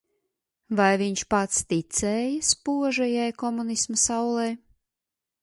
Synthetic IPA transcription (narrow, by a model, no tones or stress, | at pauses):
vajviɲʃpat̪st̪it̪sɛːjaspuɔʒɛjajkɔmunismɐsawlˠɛj